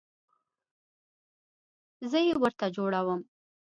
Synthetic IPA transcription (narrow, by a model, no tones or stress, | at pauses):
zəjewəɾt̪ad͡ʒoɽawəm